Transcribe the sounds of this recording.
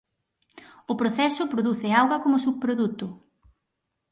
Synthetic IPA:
ʊpɾoθɛsʊpɾoðuθɪawɣɐkomʊsuβpɾoðut̪ʊ

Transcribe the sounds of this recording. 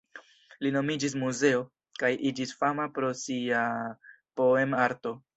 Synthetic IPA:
lino̞mid͡ʒis̬muze̞o̞ | kajʔid͡ʒisfamapɾo̞sia | po̞e̞maɾto̞

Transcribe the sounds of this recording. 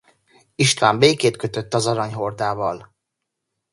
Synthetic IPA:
iʃt̪ʋaːmbeːkeːt̪kø̞t̪ø̞t̪ːɒzɒɾɒɲɦo̞rd̪aːvɒl

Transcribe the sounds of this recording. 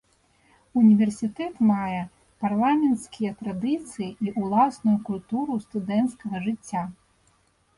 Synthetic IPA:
unʲivʲɛrsʲit̪ɛt̪majɛ | parlˠamʲɛnt̪skʲijɐt̪ɾad̪ɨt̪sɨjiʔiʔulˠasnujukulʲt̪uɾust̪ud̪ɛnt̪skɐɣɐʐɨt͡sʲːa

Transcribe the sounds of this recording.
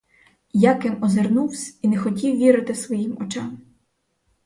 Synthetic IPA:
jakɪmɔzernuwsʲinɛxɔtʲiwʋʲiɾɪt̪ɪsʋɔjimɔt͡ʃɑm

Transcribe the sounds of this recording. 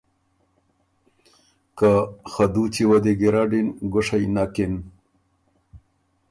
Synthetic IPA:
kaxad̪ut͡ɕiwɐd̪eɡeɾaɖinɡoʂajnakin

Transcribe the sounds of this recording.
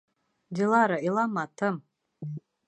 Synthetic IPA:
dilaɾailamatʰɨm

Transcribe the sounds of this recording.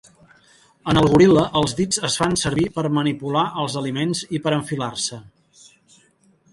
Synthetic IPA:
ənəlˠɣuɾiləʔəlˠzðid͡zəsfansəɾβipəɾmənipulaʔəlˠzəlimenzipəɾəɱfilarsə

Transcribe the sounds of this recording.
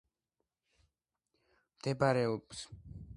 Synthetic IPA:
md̪̥ɛbaɾɛɔbs

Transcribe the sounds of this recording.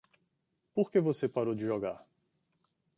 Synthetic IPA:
poɾkevosepaɾowd͡ʒɪʒɔɡaɾ

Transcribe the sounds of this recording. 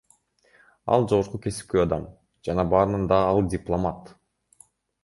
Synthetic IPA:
ɑ̰lˠd͡ʒo̞ʁoɾqukʲʰe̞si̥p̚keɑd̪ɑm | d͡ʒɑnɑbɑːɾɯnɯnd̪ɑːlˠdʲɪplˠomat̪

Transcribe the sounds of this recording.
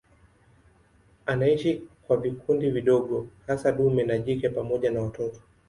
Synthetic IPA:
anaiʃikwavikundiviɗɔɠɔhasaɗumɛnaʄikɛpamɔʄanawatɔtɔ̥

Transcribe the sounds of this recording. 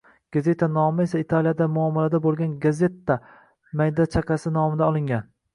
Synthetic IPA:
ɡ̥aze̞t̪ʰanɒmɪe̞sait̪ʰalijad̪amʊamːalad̪abolˠɡʲanɡaze̞t̪ːa | majd̪at͡ʃʰaqasɪnɒmɪd̪aɒlˠɪŋʲan

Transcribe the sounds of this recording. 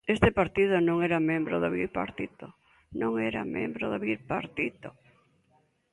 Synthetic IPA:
est̪epaɾt̪iðʊnõŋeɾamẽmbɾoðoβiɾpa̰ɾt̪it̪o | nõŋɛɾa̰mḛ̃mbɾoðoβiɾpaɾt̪it̪o

